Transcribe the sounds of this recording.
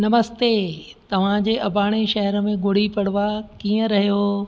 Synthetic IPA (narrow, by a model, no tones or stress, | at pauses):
nɐməst̪et̪ɐʋ̤ãd͡ʑeːʔɐbaːɽ̃eʃɐɦəɾəmẽɡʊɽ̤ipɐɽ̤ʋakiːə̃ɾɐɦijoː